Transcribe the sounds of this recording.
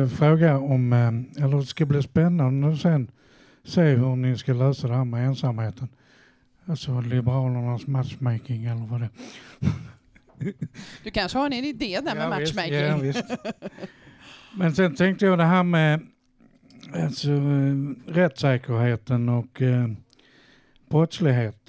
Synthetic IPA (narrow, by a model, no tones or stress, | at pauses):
fɾoːɡaɔmɛlːəɾd̪ɛskabliːspɛnːand̪əsɛn | seːhɵnɪskalœːsad̪ɛɦæːɾmɛeːnsamheːt̪ʰən | alsɔlɪbəɾɑːlənasmat̪ʃmɛkɪŋɛlːəɾvad̪ɛː | d̪ɵkʰanʂəhɑɛnɪnɪd̪eːd̪æamavɪsmavɪst̪ | mɛnsɛnt̪ʰɛŋk̚t̪əjɑd̪ɛɦæːɾmɛ | alsɔ | ɾɛt̪ːsɛːkəɾheːt̪ənɔk | b̥ɾœt̪slɪɡɦeːt̪